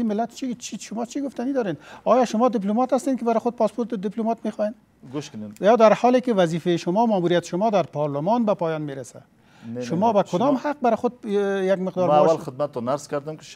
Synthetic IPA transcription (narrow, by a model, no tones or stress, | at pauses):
imɪlːat̪t͡ʃʰit͡ʃiʃʊmɔt͡ʃʰiɡʊft̪anid̪ɒɾend̪ɔjɔʃʊmɔd̪ɪp̬lumɑt̪hast̪enkɪbaɾɪxʊd̪̚pɑspoɾt̪d̪iplumɑt̪mexɔjen | ɡʊʃkʊnejd̪aɾhɔlekɪwazifejʃʊmɔmamuɾijat̪ɪ̥ʃʊmɔd̪aɾpɔɾlʊmɔnbapɔjɔnmeɾasa̰ | ʃʊmɔbakʊd̪ɔmhaq̚baɾɪxʊd̪̚jaɡmɪqd̪ɔɾwalxɪd̪̚mat̪ːɔnːaɾskaɾd̪amkɪ̥